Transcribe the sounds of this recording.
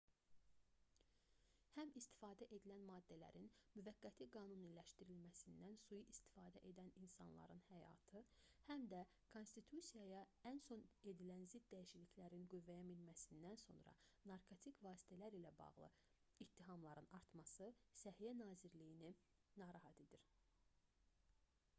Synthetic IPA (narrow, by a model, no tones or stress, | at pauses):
hæmist̪ʰi̥fɑːd̪æʔe̞d̪ilænmɑːd̪ːælæ̰ɾinmyvæɡːæt̪ʰiɡɑːnunilæʃt̪iɾilmæsind̪ænsujuʔist̪i̥fɑːd̪æʔe̞d̪æninsɑ̰nlˠɑ̰ɾɯnhæjɑ̰ːt̪ʰɯhæmd̪æ | kʰo̞nst̪it̪ʰusijɑjɑ | ænso̞ne̞d̪ilænzid̪ːæjiʃiliçlæɾinɡyvːæjæmilmæsind̪ænso̞̰nɾɑ̰nɑɾkʰo̞t̪ʰikvɑːsi̥t̪ʰælæɾilæbɑ̰ɣlˠɯ̰ | it̪ʰːiɦɑmlˠɑɾɯnɑɾt̪mɑsɯsæhijænɑːziɾlijini | nɑːɾɑɦɑt̪ʰed̪iɾ